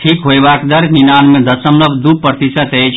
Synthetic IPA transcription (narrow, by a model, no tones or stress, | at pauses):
ʈʰikɦoebakd̪əɾminanmẽd̪əsəmləbd̪upɾət̪isət̪et͡ʃʰ